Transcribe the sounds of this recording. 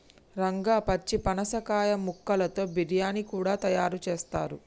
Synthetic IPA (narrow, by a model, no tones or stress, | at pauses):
ɾɐŋɡaːpɐt͡ʃːipɐnɐsɐkaːjɐmukːɐlɐt̪o̞ːbiɾijaːnikuːɽaːt̪ɐjaːɾut͡ʃeːst̪a̰ːɾu